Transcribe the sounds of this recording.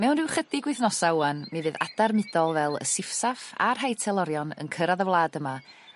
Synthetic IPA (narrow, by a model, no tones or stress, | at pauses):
mɛwnrɪwχədɪɡwɪɨθnɔsawanmivɨða̰d̥armɨdɔlˠvɛlˠə̰sɪfsafa̰rɦajtʰɛlˠɔɾjɔnə̰nkʰəɾaðəvlˠaːdəma